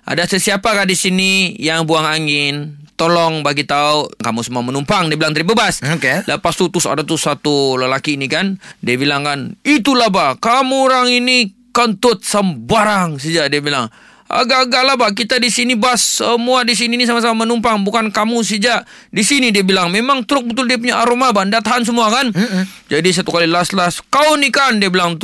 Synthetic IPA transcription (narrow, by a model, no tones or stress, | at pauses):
ʔa̰dasəsiapakandisinijaŋbuaŋaŋɪnt̪olɔŋbaɡit̪aukamusəmuamənumpaŋdiabilaŋt̪əɾibəbasokeləpast̪ut̪usa̰dat̪ʊsat̪uləlakiːnikandiabilaŋkanit̪ulabakamuɾaŋinikənt̪ʊt̪̚səmbaɾaŋsid͡ʒadiabilaŋ | a̰ɡaɡaʔlabak̬it̪adisinibasːəmuadis̬iniːnis̬amas̬amamanumpaŋbukankamus̬id͡ʒaʔ | disinidiabilaŋmemaŋt̪ɾʊk̚bət̪ʊldiap̬uɲaʔaɾomabandat̪aɦans̬əmuakan | d͡ʒadis̬at̪ukalilaslaskaunikandiabilaŋt̪